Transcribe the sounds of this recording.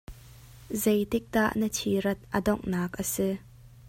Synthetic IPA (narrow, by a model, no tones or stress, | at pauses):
zejt̪ɪk̚d̪a̰ʔnətʰiɾɐt̪̚ʔədɔŋnaːk̚ʔəsi